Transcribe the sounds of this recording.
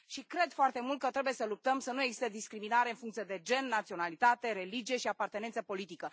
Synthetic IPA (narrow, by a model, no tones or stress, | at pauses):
ʃikɾe̞d̪foart̪e̞mult̪̚kət̪ɾe̞bujesəlup̚t̪əmsənueɡzist̪ed̪iskɾiminaɾe̞ɨnfuŋkt̪sije̞d̪e̞d͡ʒe̞nːat̪sio̞nalit̪at̪e̞ɾe̞lid͡ʒije̞ʃiapart̪enent̪səpo̞lit̪ikə